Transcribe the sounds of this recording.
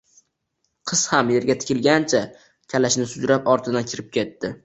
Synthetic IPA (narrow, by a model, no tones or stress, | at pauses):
qʰɨz̥hamje̞ɾɡʲat̪ʰɪ̥kʲʰɪlɡʲant͡ʃʰa | kʲʰalaʃnɪsʊd͡ʒɾapɒɾt̪ʰɪd̪ankʲʰɪɾɪp̚kʲʰe̞t̪ːɪ